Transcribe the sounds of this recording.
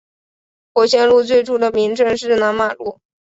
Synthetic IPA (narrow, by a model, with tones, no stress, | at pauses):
xwɔ˨˥˩ɕjɛ˥nlu˥˧t͡swe˥˧ɪʈ͡ʂu˥˩d̪ə˩mi˧˥ŋʈ͡ʂɤ˥˧ŋʂɻ̩˥˩na˧˥nma˨˩lu˥˩